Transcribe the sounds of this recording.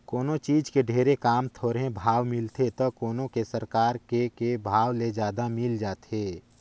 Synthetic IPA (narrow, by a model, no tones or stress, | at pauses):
koːnot͡ʃiːd͡ʒkeɖʱeːɾekaːmt̪ʰoːɾɦẽbʱaːwmɪlt̪et̪okoːnõkesəɾkaːɾkekebʱaːwled͡ʒjaːd̪amɪld͡ʒaːt̪eː